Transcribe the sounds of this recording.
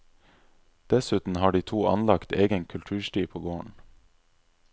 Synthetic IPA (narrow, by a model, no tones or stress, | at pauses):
d̪̥ɛsʉːt̪n̩hɑːɖiːt̪ʰuːʔɑ̰nlɑkt̪ʰeːɡənkʰʉlt̪ʰʉːʃʈiːpʰoːɡoːəɳ